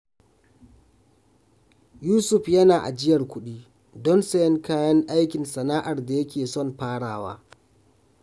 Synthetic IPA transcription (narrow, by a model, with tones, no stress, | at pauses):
juː˦sʊ˦˨ɸjɐ˦naː˨ʔa̰˨d͡ʒɪ˦jɐ˨rkʷʊ˦ɗiː˦ | dɔ˦nsɐ˦jɛ˦ŋkaː˦jɐ˦ŋʔa˦jkʲɪ˨nsɐ˨naː˦ʔa˨rda˨jɐ˦kʲʰeː˨sɔ˦˨mɸaː˦ɽaː˨wa̰ː˦